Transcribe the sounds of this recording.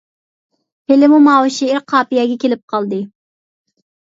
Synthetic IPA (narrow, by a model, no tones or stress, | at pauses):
helɪmumɑːwɨʃiɪɾqʰɑːpijɛɡʲɛkʲʰelɪp̚qʰɑlˠd̪ɨ